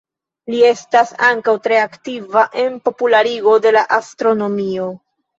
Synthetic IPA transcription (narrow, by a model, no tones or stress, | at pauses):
lie̞stasaŋkawtɾe̞aktivaʔe̞npo̞pulaɾiɡo̞de̞laʔastɾo̞no̞mio̞